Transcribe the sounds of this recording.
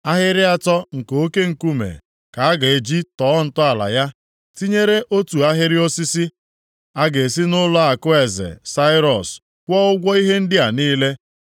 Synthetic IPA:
a˦ɦɪ˦ɾɪ˦a˦tɔ˦ŋ̩˨ko˦ke˦ŋ̩˨ku˦mḛ˨ | ka˨a˦ɡa˨e˨d͡ʒi˦tɔː˨˦n̩˨tʊ˦a˨la̰˨ja˦ | ti˦ɲe˦ɾe˦ʔo˦tu˨a˦ɦɪ˦ɾɪ˦o˦si˦si˦ | a˦ɡe˨si˦nʊ˦lɔ˦a˨kʊ˦e˨zḛ˨sa˦ɪ˦ɾɔ˨s | kʷɔ˦ʊ˦ɡʷɔ˦i˦ɦe˦n̩˦dɪ˦a˨niː˦le˦

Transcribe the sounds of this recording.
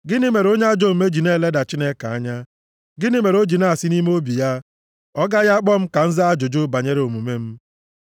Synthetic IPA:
ɡɪ˦nɪ˦me˨ɾo˦ɲe˦a˦d͡ʒo˦˨me˦d͡ʒi˨ne˦˨le˦da˨t͡ʃi˦ne˦ka˨a˦ɲa˦ | ɡɪ˦nɪ˦me˨ɾo˦d͡ʒi˨na˦a˨sɪ˦ni˦me˦o˦bi˨ja˦ | ɔ˦ɡa˦ja˦k͡pɔ˦m̩˦ka˨n̩˦za˦a˦d͡ʒo˨d͡ʒo˦ba˨ɲe˦ɾe˨o˨mu˨me˦m̩˦

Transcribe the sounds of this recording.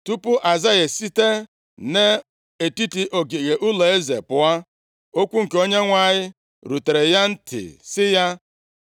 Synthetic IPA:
tu˦pʊ˦ʔa˨za˦je˨si˦te˦ | ne˦ | e˨ti˦ti˨ʔo˨ɡe˨ɣe˨ʔʊ˦le˨e˦zḛ˨pʊ˨a˦ | o˦kʷu˦ŋ̩˨ke˨o˦ɲe˦ŋʷa˦˨ɲɪ˦ | ɾu˨te˨ɾe˨ja˦n̩˦tɪ̰˨sɪ˦ja˦

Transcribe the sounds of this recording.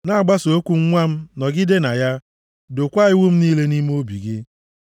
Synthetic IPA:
na˦a˨ɡ͡ba˦so˨o˦kʷu˨ŋ̩˦ŋʷa˦m̩˦nɔ˨ɡɪ˦de˦na˨ja˦ | do˨kʷa˦ɪ˦wu˦m̩˦niː˦le˦ni˦m˦o˦bi˨ɡɪ˦

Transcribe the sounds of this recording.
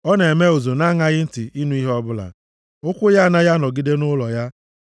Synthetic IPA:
ɔ˦ne˨me˦o˨zo˨na˦ŋa˦ɣɪ˦n̩˦tɪ˨i˦nu˦i˦ɦɔ˦bʊ˦la̰˨ | ʊ˦kʷʊ˦ja˦a˦˨na˦ja˦nɔ˨ɡi˦de˦nʊ˦lɔ˨ja˦

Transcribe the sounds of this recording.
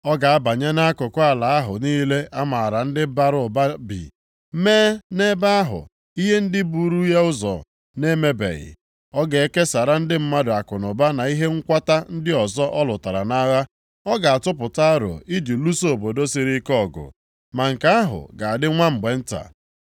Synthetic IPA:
ɔ˦ɡa˨a˦ba˨ɲe˦na˦a˦kʊ˨kʊ˦a˨la˨a˦ɦʊ̰˨niː˦le˦ʔa˦ma˨a˨ɾa˨n̩˦dɪ˦ba˦ɾʊ˨ba˦bḭ˨˦ | meː˦ne˦ba˦a˦ɦʊ̰˨ | i˦ɦe˦n̩˦dɪ˦bu˨ɾu˦je˦ʊ˦zɔ̰˨ | ne˦me˦bḛ˨ɣɪ̰˨ | ɔ˦ɡe˨e˦ke˦sa˨ɾa˦n̩˦dɪ˦m̩˦ma˦dʊ˨a˨kʊ˨nʊ˨ba˦na˨i˦ɦe˦ŋ̩˦kʷa˦ta˦n̩˦dɪ˦ɔ˨zɔ˦ʔɔ˦lʊ˨ta˨ɾa̰˨na˦ɣa˦ | ɔ˦ɡa˨a˨tʊ˦p̬ʊ˨ta˦a˦ɾo̰˨i˦d͡ʒu˨lu˦so˨bo˨do˦si˨ɾi˦kɔ˦˨ɡʊ̰˨ | ma˨ŋ̩˨ka˦a˦ɦʊ̰˨ɡa˨a˨dɪ˦ŋʷa˦m̩˨ɡ͡be˨n̩˦ta̰˨

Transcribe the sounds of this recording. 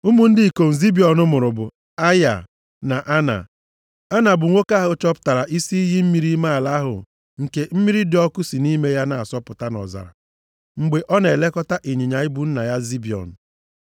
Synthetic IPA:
u˦mu˦n̩˦dɪ˦i˨ko˨n̩˨zi˦bi˨ɔ˨nʊ˦mʊ˨ɾʊ˨bʊ˨ | a˦ja̰˨ | na˨ʔa˦na̰˨ | a˦na˨bʊ˨ŋʷo˦ka˦ɦʊ˦t͡ʃɔ˦pta˨ɾa˨ʔi˦si˦i˦ɦi˦m̩˦mi˦ɾi˦ma˦a˨la˦a˦ɦʊ̰˨ | ŋ̩˨ke˨m̩˦mi˦ɾi˦dɪ˨˦ɔ˦kʊ˦si˨ni˦me˦ja˦na˨a˨sɔ˦pʊ˨ta˦nɔ̰˨za̰˨ɾa̰˨ | ŋ͡m̩˨ɡ͡be˨ʔɔ˦ne˨le˦kɔ˦ta˦ʔi˨ɲi˨ɲa˨i˦bu˦n̩˦na˨ja˦zi˦bi˨ɔ̰˨n̩˨

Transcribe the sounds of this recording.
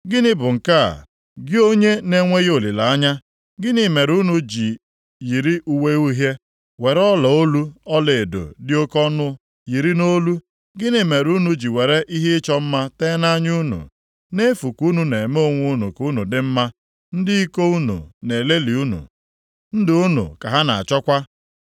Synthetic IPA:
ɡɪ˦nɪ˦bʊ˨ŋ̩˨ka̰˦˨ | ɡɪ˦o˦ɲe˦ne˦ŋʷe˦ɣo˨li˨la˨a˦ɲa˦ | ɡɪ˦ni˨me˨ɾu˦nu˨d͡ʒi˨ | ji˨ɾi˦ʔu˨we˦u˦ɦje˦ | we˨ɾɔ˦lɔ˨o˦lu˦ɔ˦le˨e˨do̰˨dɪ˦o˦kɔ˦nʊ˦ | ji˨ɾi˦no˦lu˦ | ɡɪ˦ni˨me˨ɾu˦nu˦d͡ʒi˨we˨ɾe˦ʔi˦ɦɪ˦ɪ˦t͡ʃɔ˦m̩˦ma˦teː˦na˦ɲu˦nṵ˨ | ne˦fu˨ku˦nu˨ne˨mo˦o˦ŋʷu˦nṵ˨ku˦nu˨dɪ˦m̩˦ma˦ | n̩˦dɪ˦i˦ko˦u˦nṵ˨ne˨le˦li˨u˦nṵ˨ | n̩˦dɪ˨u˦nṵ˨ka˨ɦa˦na˨a̰˨t͡ʃɔ˦kʷa˦

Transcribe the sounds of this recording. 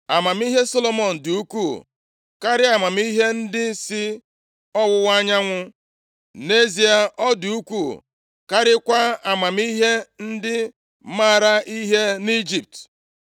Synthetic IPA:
a˨ma˨m˦i˦ɦe˦so˦lo˦mɔ˨n̩˨du˨u˦kʷu˦˨ | ka˦ɾɪ˦a˨ma˨m˦i˦ɦe˦n̩˦dɪ˦sɪ˦ | ɔ˦wʊ˦wa˦ɲa˦ŋʷʊ˦ | ne˦zi˨a˨ʔɔ˦du˨u˦kʷu˦˨ | ka˦ɾɪ˦kʷa˦a˨ma˨m˦i˦ɦe˦n̩˦dɪ˦ | ma˦˨ɾa˦ʔi˦ɦe˦ni˦d͡ʒi˨p̚t

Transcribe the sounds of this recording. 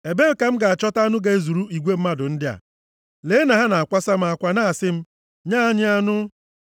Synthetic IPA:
e˨be˦m̩˦ka˨m̩˦ɡa˨a˨t͡ʃɔ˦ta˦nʊ˦ɡe˦e˦zu˨ɾu˦i˨ɡʷe˦m̩˦ma˦dʊ˨n̩˦dɪ˦a̰˨ | leː˨˦na˨ɦa˦na˨a˨kʷa˦sa˦m̩˦a˨kʷa˨na˦a˨sɪ˦m̩˦ | ɲaː˦ɲɪ˦a˦nʊ˦

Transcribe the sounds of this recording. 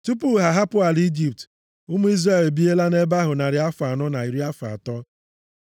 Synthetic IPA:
tu˦pu˦ɦa˨ɦa˦pʊ˦a˨li˦d͡ʒi˨p̚t | ʊ˦mu˦i˦zra˦˨le˨bi˦e˦la˦ne˦ba˦ɦʊ˨na˨ɾɪ˨a˦fa˨nɔ˦na˨i˨ɾi˦a˦fa̰˨tɔ˦

